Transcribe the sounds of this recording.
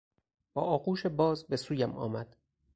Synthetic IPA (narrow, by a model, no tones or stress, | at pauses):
b̥ɒːʔɒːquːʃebɒːzbesuːjæmɒ̰ːmæd̪̥